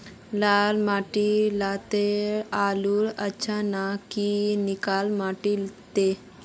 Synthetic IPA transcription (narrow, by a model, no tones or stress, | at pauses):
lalmaʈilat̪eɾaluɾətːɕʰanakinikalmaʈilt̪e